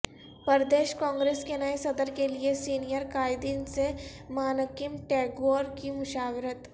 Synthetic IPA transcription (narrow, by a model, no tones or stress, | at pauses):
pəɾd̪eːʃkɔ̃ːŋɡɾeːskenɐesɐd̪əɾkeliesiːnijəɾkaːɪd̪iːnsemaːnəkɪmʈɛːɡoːɾkimʊʃaːwɾət̪